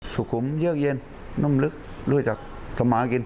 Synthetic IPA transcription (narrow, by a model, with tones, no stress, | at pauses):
su˨˩ku˨˦mzi˦˥ək̚je˧n | nu˧˥˨mlɨ˦˥k̚ | lu˧˩ə˨t͡ɕa˨˩k̚ | t̪a˨˧maː˧˦ki˧n